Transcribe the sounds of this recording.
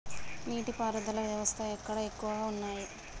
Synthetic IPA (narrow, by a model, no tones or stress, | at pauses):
niːʈipaːɾɐd̪ɐlɐʋjɐʋɐst̪ʰɐekːɐɽɐekːuʋɐɡaːunːaːji